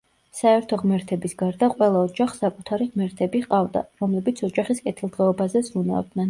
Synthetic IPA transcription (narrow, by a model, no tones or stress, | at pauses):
saɛɾt̪ʰɔʁmɛɾt̪ʰɛbisɡaɾd̪aqʼwɛlˠaɔd͡ʒaχsakʼut̪ʰaɾiʁmɛɾt̪ʰɛbiqʼavd̪a̰ɾɔmlɛbit̪sʰɔd͡ʒaχiskʼɛt̪ʰilˠd̪ʁɛɔbazɛzɾuna̰d̪nɛn